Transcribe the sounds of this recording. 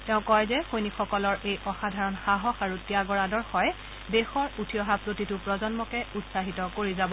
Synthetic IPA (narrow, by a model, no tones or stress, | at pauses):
teʊ̃kɔjzɛxojnikxɔkɔlɔɹʔejʔɔxadʱaɹɔnxaɦɔxaɹutijaɡɔɹadɔɹxɔj | bexɔɹutʰijɔɦapɹotitʊpɹɔzɔnmɔkɛutsaɦitɔkoɹizabɔ